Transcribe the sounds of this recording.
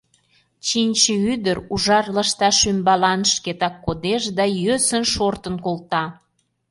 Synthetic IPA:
t͡ɕinʲt͡ɕəyd̪əɾuʒɑrləʃt̪ɑʃymbɑlɑnʃket̪ɑkːod̪eʃd̪ɑjøsənʃort̪ənkolt̪ɑ

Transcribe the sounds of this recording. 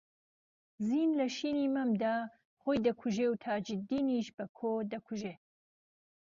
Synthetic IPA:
ziːnlɐʃiːniːmɐmd̪aː | χoːjd̪ɐkʰuʒeːwt̪ʰaːd͡ʒɪd̪iːniʃbɐkʰoːd̪ɐkʰuʒeː

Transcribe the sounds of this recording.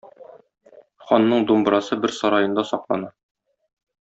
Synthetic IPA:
χɒnːɤɴd̪umbɾɑsɤbɘɾsɒɾɑjɤ̆nd̪ɑsɒqlˠɑ̰nɑ

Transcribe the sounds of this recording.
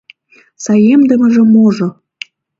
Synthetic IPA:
sɑjemd̪ə̆mə̆ʒĕmoʒŏ

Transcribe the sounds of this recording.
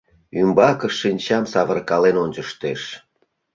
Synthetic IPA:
ymbɑkəʃːinʲt͡ɕɑmsɑβərkɑlenonʲt͡ɕəʃt̪eʃ

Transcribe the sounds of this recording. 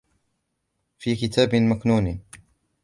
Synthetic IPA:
fiːkɪt̪ʰaːbɪmaknuːn

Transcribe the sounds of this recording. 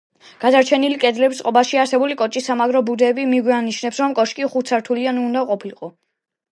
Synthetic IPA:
ɡ̥ad̪aɾt͡ʃʰɛnilikʼɛd̪lɛbisqʼɔbaʃiaɾsɛbulikʼɔt͡ʃʼisːamaɡɾɔbud̪ɛːbimiɡwianiʃnɛpsɾɔmkʼɔʃkʼiχut̪sʰaɾt̪ʰulianuːnd̪aqʼɔpʰilqʼɔ

